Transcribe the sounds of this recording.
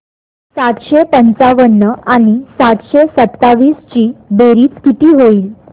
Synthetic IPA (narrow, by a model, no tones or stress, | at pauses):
sat̪ɕepənt͡saʋənːəaɽ̃isat̪ɕesət̪ːaʋiːst͡ɕiːbeɾiːt͡skit̪iːɦoiːl